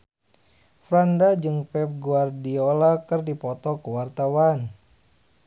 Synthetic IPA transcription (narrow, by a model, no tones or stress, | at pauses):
fɾandad͡ʒɨŋpɛp̚ɡuardiolakɨrdipɔt̪ɔkəwart̪awan